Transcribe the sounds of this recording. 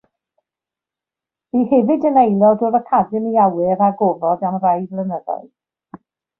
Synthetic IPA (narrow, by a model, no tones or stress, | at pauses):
b̥ihɛvɨdənejlˠɔdʊðəkʰadəniawɪɾaɡɔvɔdamrajvlˠənəða̰ɨð